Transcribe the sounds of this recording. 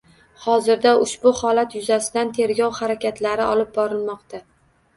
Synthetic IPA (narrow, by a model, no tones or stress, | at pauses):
hɒzɪɾd̪aʊʃbʊhɒlat̪jʊzasɪd̪ant̪ʰe̞ɾɡʲɒwhaɾakʲʰat̪ʰlaɾɪɒlɪp̚bɒɾɪlˠmɒqt̪a